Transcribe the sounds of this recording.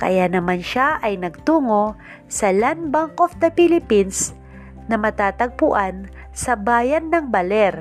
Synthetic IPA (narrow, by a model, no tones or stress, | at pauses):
kɐ̰janɐmanʃaʔɐjnɐɡ̚t̪uːŋo | sɐlanbaŋkofd̪ɐpilɪpins | nɐmɐt̪aːt̪ɐɡ̚pʊʔan | sɐbaːjɐnːɐŋbɐlɛɾ